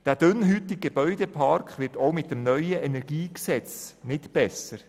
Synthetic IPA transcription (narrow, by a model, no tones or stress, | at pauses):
d̥æːd̥ʏnɦytiɡeb̥œʏdɛpʰɑɾkχʋɪːtoʊmɪt̚əmnœʏəʔɛnɛɾɡiːksɛt͡snɪtb̥ɛsəɾ